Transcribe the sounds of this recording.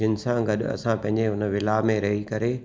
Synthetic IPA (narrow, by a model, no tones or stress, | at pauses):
ɪnɪ̆sãɡɐɗ̰ɐ̰sãpɐ̃ɦɪ̃ɲd͡ʑeɦʊnʋɪlamẽɾɐɦikɐɾe